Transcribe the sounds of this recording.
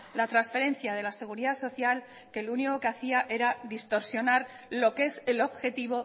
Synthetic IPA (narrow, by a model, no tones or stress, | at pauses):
lat̪ɾansfe̞ɾe̞nθjað̞e̞lase̞ɣ̞uɾiðaso̞θjal | ke̞luniko̞keaθiaʔe̞ɾaðist̪o̞ɾsjonaɾ | lo̞ke̞se̞lo̞βxe̞t̪iβ̞o̞